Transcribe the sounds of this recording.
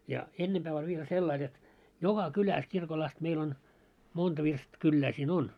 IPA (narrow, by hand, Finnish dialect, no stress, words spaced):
jɑ enːemb̥æː olʲ ʋiel selːɑil jot jokɑ kylæs kirkol ɑst meil on montɑ ʋirst kylːæː siːn on